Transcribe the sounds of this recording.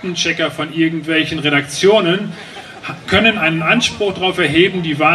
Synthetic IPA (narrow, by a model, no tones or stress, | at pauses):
tn̩t͡ʃɛkɐfɔnʔɪɐɡŋ̩tv̥ɛlçn̩ʁeɾakt͡sjoːnən | kʰœnənʔaɪnənʔanʃpʁ̥ʊxd̥aʁaʊfɛɐɦeːbm̩diːva